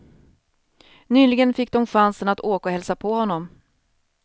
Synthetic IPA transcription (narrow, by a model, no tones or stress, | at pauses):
nyːlɪɡənfɪk̚ːd̪ɔmɧansənat̪ʰoːkaɔhɛlsapʰɔhɔnːɔm